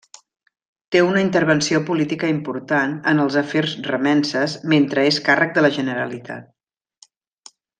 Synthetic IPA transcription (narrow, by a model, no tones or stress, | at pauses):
t̪eunəint̪əɾβənsiopulit̪ikəimpuɾt̪anənəlˠzəferzrəmɛnsəzment̪ɾəeskarək̚d̪ələʒənəɾə̰lit̪ʰa̰t̪̚